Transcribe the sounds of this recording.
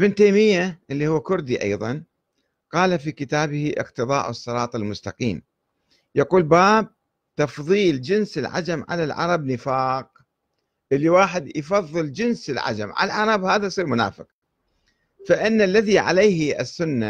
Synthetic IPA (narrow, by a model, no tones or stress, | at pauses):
ʔɪbɪnt̪ejmɪjːaʔɪlːiːhuwːakʊɾd̪iʔɑ̰jðˤɑn | qɑːlafiːkɪt̪aːbɪhiʔɪ̰qt̪ɨðˤɑ̰ːʔɨsˤːɨɾˤɑːt̪ˤalmʊst̪ɑqḭːm | jaquːlbaːb̚ | t̪ɑfðˤiːld͡ʒɪnsɪlʕa̰d͡ʒamʕa̰lalʕɑ̰ɾˤɑbnɪfaːq | ʔɪlːiwaːħɪd̪jfɑðˤːɨld͡ʒɪnsɪlʕa̰d͡ʒa̰mʕa̰laʕɑɾˤɑbhaːðasˤiːɾmʊna̰ːfɪq̚ | faʔɪnːalːaðiʕa̰leːha̰sːʊnːa